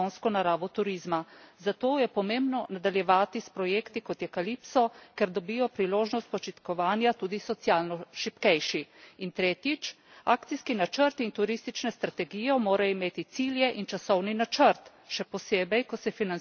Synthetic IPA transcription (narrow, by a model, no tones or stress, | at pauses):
onskɔnaɾaːʋɔt̪uɾizmazat̪oːjɛpɔmẽmbnɔnad̪aljɛʋaːt̪ispɾɔjeːkt̪ikɔt̪jɛkalipsɔkɛɾd̪ɔbijɔpɾiloːʒnɔst̪̚pɔt͡ʃit̪kɔʋaːnjat̪uːd̪isɔt̪sjaːlnɔʃipkɛjʃiint̪ɾeːt̪jit͡ʃ | aːkt̪siskinat͡ʃəɾt̪int̪uɾist̪it͡ʃnɛst̪ɾat̪ɛɡijɔmoːɾaimeːt̪it̪siljɛʔint͡ʃasɔwninat͡ʃəɾt̪ | ʃɛpɔseːbɛjkɔsɛfinan